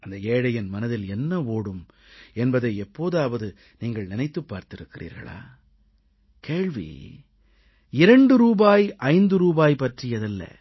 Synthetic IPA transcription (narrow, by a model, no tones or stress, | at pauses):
ɐnd̪ɐeːɽɐjɪnmɐnɐðɪlɛnːɐoːɽɯm | ɛnbɐðɐɪɛpːoːðaːʋɐðɯ | niːŋɡɐɭnɪnɐɪt̪ːɯpːaːɾt̪ɪɾɯkːɪrḭːɾɣɐ̰ɭa̰ː | keːɻʋḭ | ɪɾɐɳɖɯɾuːbaːjʔɐɪnd̪ɯɾuːbaːjpɐʈrɪjɐðɪlːɐ̰